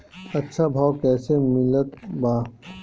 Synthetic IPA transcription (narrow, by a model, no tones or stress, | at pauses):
ɐtːʃʰabʱaːwkɛːsemɪlət̪baː